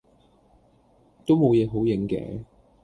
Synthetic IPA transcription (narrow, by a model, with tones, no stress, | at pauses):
t̪o˥wmo˨˧wjɛː˨˧ɦo˨˥wjɪ˨˥ŋkɛ̰ː˨˧˥